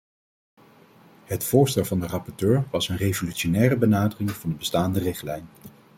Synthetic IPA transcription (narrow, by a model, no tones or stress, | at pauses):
ɦətfʊːɹstɛlˠvɑndərɑpɔɹtøːɹʋɑsənrejvolyʃonɛːrəbənaːdərɪŋv̥ɑndəbəstaːndərɪχtlɛjn